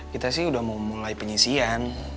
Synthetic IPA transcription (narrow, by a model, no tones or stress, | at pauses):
kit̪asɪhudahmamulajipəɲisian